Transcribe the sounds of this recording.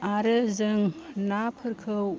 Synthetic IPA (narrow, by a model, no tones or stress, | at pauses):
aɾɯzɯŋnapʰɯɾkʰɯw